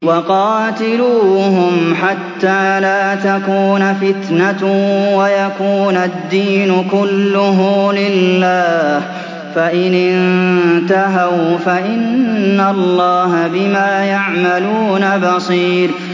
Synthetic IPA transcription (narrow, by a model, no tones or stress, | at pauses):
wɑqɑːt̪ɪluːɦʊmħat̪ːaːlaːt̪akuːnfɪt̪nawajakuːnad̪ːiːnʊkʊlːʊɦʊlɪlːaːh | faʔɪnɪnnnt̪aɦawfaʔɪnːalˤːɑːɦabɪmaːjaʕmaluːnabɑsˤiːɾ